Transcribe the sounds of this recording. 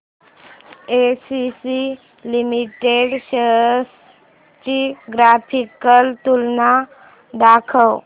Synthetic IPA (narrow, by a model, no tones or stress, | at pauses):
esisi | limiʈeɖɕəɦəs | t͡ɕiɡɾapʰikəlt̪ulna | d̪akʰəw